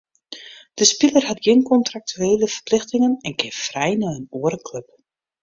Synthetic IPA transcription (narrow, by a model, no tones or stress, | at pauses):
d̥əspɪlərhatɡɪnkɔntrak̚tʰyeːləfərplɪxtɪŋənɛnkɪfrɛjnaənoːəɾəkløp